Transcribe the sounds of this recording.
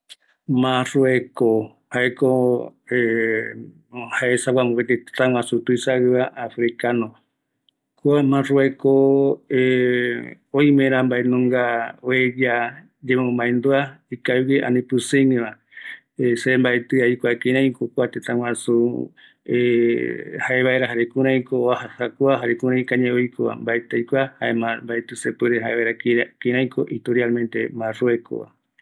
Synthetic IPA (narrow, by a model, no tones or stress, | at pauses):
mãrueko | haekoe | haesawamõket̪et̪et̪ãwãsut̪uisaɨβaʔafɾikanõ | kuamãruekoe | oĩmẽɾãmbaenũŋɡaoed͡ʒa | d͡ʒemõmbaend̪oaikaweʔa̰nĩpɨseŋẽβã | esembaet̪ɨajkʷakĩɾ̃ãj̃kokʷat̪et̪ãw̃ãsu | e | haeβaeɾaɦaɾekũɾ̃ãj̃koahahakʷaɦaɾekũɾ̃ãj̃kaɲẽojkʰoβa̰mbaet̪ɨajkʷahaemambaet̪ɨsepɨɾeɦaeβaeɾakɾakĩɾãj̃koʔit̪oɾialmẽnt̪emãroekʰo̰βa̰